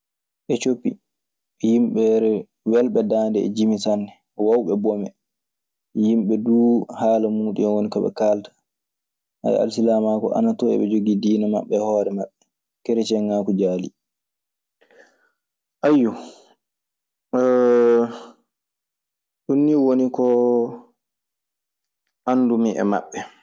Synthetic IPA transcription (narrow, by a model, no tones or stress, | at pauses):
ʔɛt͡ʃopːḭ | jimɓɛɾɛ | wɛlɓɛdandɛɛ̰d͡ʒimisanːɛ | wawɓɛbɔmɛ | jimɓɛduːhaːlamuːɗḭɛnwonikaɓɛ̰kaltḁ | ha̰j̰a̰lsilamakɔ̰ʔa̰natɔɛ̰ɓɛd͡ʒoɡidiːnama̰ɓːɛhɔːɾɛmaɓːɛ | kɛɾɛt͡ʃɛŋakud͡ʒaːlḭ | ʔajːu | ɗunːiwonikɔ | ʔandumiʔɛ̰ma̰ɓːɛ